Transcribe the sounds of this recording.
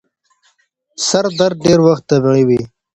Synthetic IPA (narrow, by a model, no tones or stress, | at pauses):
sɐɾd̪ɐɾɖeːɾwɐxt̪ːɐbiʁiwi